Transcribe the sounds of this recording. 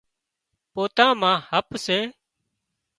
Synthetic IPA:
poːt̪ãːmãːhəpseː

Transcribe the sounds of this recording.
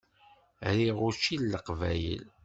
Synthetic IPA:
ɾiʁʊt͡ʃilːəqvæjə̰l

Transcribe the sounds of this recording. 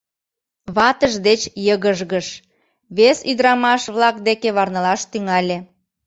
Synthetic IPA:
βɑt̪əʒd̪et͡ɕjəɣəʒɣəʃ | βesyd̪ɾɑmɑʃβlɑk̚d̪ekeβɑrnəlɑʃt̪yŋɑlʲe

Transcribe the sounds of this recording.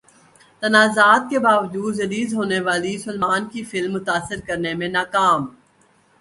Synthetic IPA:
t̪ɐnaːzaːt̪̚kebaːʋd͡ʒuːd̪d͡ʒɐɾiːzɦoːneʋaːlisʊlmaːnkifɪlmːʊt̪aːsːɪɾkɐɾnemẽnaːkaːm

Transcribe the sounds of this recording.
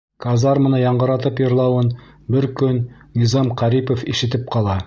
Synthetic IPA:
kazɑɾmɤ̆nɤjɑɴɢɤ̆ɾɑt̪ɤpjŏɾlˠɑwɤn | bɘɾkɵnː | izɑmqæɾipofiʃɘ̆t̪ɘp̚qɑlˠɑ

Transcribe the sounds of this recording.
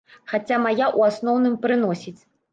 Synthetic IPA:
xat͡sʲamajaʔuasnɔwn̪ɨmpɾɨn̪ɔsʲit͡sʲ

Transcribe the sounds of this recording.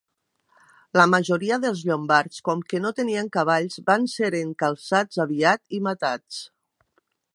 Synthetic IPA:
ləmaʒoɾiəðelˠzʎombaɾskɔmkenot̪eniaŋkaβ̞aʎzbanseɾeŋkalˠsad͡zaβiat̪imat̪at͡s

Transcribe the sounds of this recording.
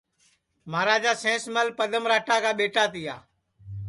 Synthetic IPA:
maːɾaːd͡ʒaːsẽːsməlpəɗ̪ʱəmɾaːʈaːkaːɓeːʈaːt̪ɪja̰ː

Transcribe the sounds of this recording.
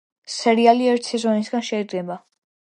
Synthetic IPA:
sɛɾialiɛɾt̪ʰsɛzɔnisɡanʃɛid̪ɡɛba

